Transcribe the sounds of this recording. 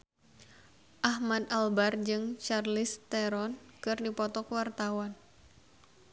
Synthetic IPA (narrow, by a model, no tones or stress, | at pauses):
ʔahmad̪albard͡ʒɨŋt͡ʃarlɪst̪ɛɾɔnkɨrdipɔt̪ɔkwart̪awan